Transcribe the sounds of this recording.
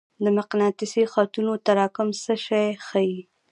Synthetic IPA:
d̪əmɪqnɑt̪ɪsixɑt̪unot̪aɾɑkʊmsəʃɑjxaji

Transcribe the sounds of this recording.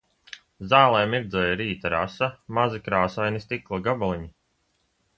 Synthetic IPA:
zaːlˠɛjmiɾd̪zɔːjaɾiːt̪aɾasamazikɾaːsajnist̪iklˠaɡabalˠiɲi

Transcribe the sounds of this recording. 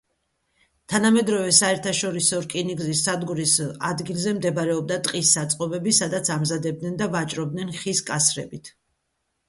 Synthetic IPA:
t̪ʰanamɛd̪ɾɔvɛsaɛɾt̪ʰaʃɔɾisɔɾkʼiniɡzisad̪ɡuɾisad̪ɡilˠzɛmd̪ɛbaɾɛɔb̚d̪at̪ʼqʼisːat̪sʼqʼɔbɛbisad̪at̪sʰamzad̪ɛb̚d̪nɛnd̪avat͡ʃʼɾɔb̚d̪nɛnχiskʼasɾɛ̰bit̪ʰ

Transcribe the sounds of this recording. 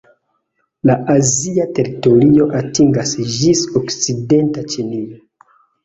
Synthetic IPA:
laʔaziate̞ɾito̞ɾio̞ʔatiŋɡasd͡ʒisokt͡side̞ntat͡ʃinio

